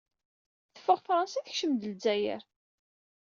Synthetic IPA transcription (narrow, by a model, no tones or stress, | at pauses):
θə̥fːəʁfɾˤɑnsiθəçʃəmd̪əld͡zæjə̰ɾ